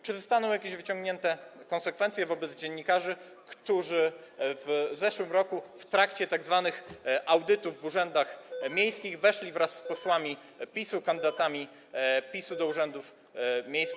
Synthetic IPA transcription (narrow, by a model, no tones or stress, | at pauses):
t͡ʂɘzɔst̪anɔ̃w̃jakʲeʑvɘt͡ɕɔ̃ŋɡɲɛnt̪ɛkɔ̃nsɛkfɛnt̪sʲjɛvɔbɛd̪zd͡ʑɛɲːikaʐɘ | kt̪uʐɘvzɛʂwɘmɾɔkuft̪ɾakt͡ɕɛt̪aɡzvanɘxʔawd̪ɘt̪uvːuʐɛnd̪axmʲjejskʲiɣvɛʂlʲivɾasːpɔswamʲi | pʲisukand̪ɘd̪at̪amʲi | pʲisud̪ɔuʐɛnd̪uf | mʲejskʲi